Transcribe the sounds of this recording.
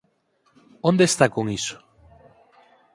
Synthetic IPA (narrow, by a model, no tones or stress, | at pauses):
õnd̪est̪akoŋiso̥